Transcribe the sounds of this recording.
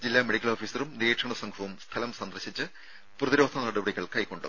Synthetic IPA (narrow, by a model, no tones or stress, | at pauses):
d͡ʑilːaːmeɽikʲːɐloːfiːsɐrumnieːʈʂɐɳɐsɐŋɡʰʱɐʋumst̪ʰɐlɐmsɐnd̪ɐrɕit͡ɕːɨ | prɐðiɾo̞ːd̪ʰʱɐnɐɽubɐɽiɣɐɭkɐjkːo̞ɳɖṵ